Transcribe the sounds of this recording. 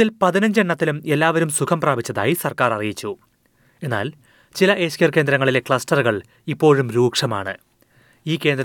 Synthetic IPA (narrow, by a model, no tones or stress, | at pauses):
ilpɐðinɐɲd͡ʑeɳːɐt̪ːilume̞lːaːʋɐɾumsukʰɐmpraːbʱit͡ɕːɐða̰ːjisɐrkaːrɐrijit͡ɕːu | e̞nːa̰ːl | t͡ɕilɐʔe̞ːɕkjɐrkend̪ɾɐŋːɐɭile̞kɭɐsʈɐrɣɐɭ | ipːo̞ːɻumɾuːkʂɐma̰ːɳɨ̰ | iːkːe̞ːnd̪ɾ